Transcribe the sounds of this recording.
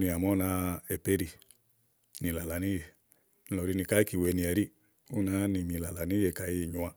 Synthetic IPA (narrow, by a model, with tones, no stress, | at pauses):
ni˧a˨mɔ˦na˧e˨pe˦ɾi˧ | ni˨la˨la˨ni˦je˨ | n˧˦lɔ˨ɾi˧ni˧ka˦i˦ki˨we˨˧ni˨˧a˨ɾi˦ | u˦na˨˦ni˨mi˨la˨la˨ni˦je˧˨ka˨ji˧˨ɲu˨a˧